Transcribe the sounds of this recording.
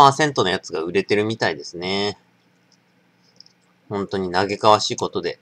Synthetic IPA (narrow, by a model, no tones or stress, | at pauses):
asẽ̞nt̪o̞nojat͡sɨɡa̰ɯ̟ɾe̞t̪e̞ɾɯ̟mʲit̪aid̪e̞sɨne̞ | hõ̞nt̪o̞ɲ̟inaɡe̞kaβ̞aɕiːko̞t̪o̞d̪e̞̰